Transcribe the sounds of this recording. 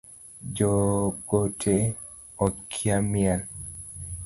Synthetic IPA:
d͡ʒɔɡ̥otʰe | ɔkʰjamjal

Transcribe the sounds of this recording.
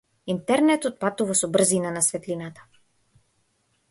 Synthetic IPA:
int̪ɛɾnɛt̪ɔt̪̚pat̪uvasɔbr̩zinanasvɛt̪linat̪ḁ

